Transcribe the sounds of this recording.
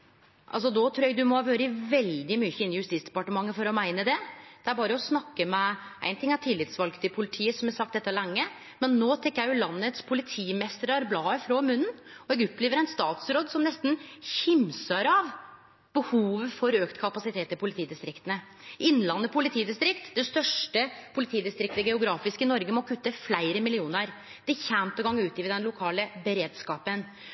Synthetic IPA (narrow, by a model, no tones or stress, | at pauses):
ʔɑ̰ls̬ɔd̪ot̪ʰɾuːɾæɡd̪ʉmɔʋøːɾəɪʋɛld̪ɪmyçəɪnɪjʉst̪iːtsd̪ɛ̥pɑʈəmɑŋːəfɔɾɔmæɪnəd̪ɛd̪̥ɛæɾbɑːɾəɔsnɑkːəmɛʔæɪnt̪ɪŋæt̪ʰɪlːɪt̪sʋɑlɡt̪ɪpʰʊlɪt̪ʰiːəsɔmæsɑk̚t̪ɛt̪ːəlɛŋːə | mɛnːoːt̪ʰɛŋkːəjæɪjʊlɑnːət̪spʰʊlɪt̪ʰiːmɛst̪əɾɑɾblɑːəfɾɔmʉnːnɔɛɡʊpːleːʋəɾæɪnst̪ɑːt̪sɾoːd̪sɔmnɛst̪nçɪmsəɾɑʋ | b̥əhuːʋfɔɾøːkt̪kʰɑpɑsɪt̪ʰeːt̪ːɪlpʰʊlɪt̪iːd̪ɪst̪ɾɪkt̪ənə | ɪnːlɑnːəpʰʊlɪt̪ʰiːd̪ɪst̪ɾɪkt̪d̪ɛst̪œʂʈəpʰʊlɪt̪ʰiːd̪ɪst̪ɾɪk̚t̪əɡɛʊɡɾɑːfɪskəɪnɔɾɡəmɔkʰʉt̪ːəflæɪɾəmɪlɪuːnəɾ | d̪̥ɛçæmt̪ɑɡɑŋːʉːt̪iːʋɪd̪ɛnlʊkʰɑːləbəɾeːd̪skɑːpən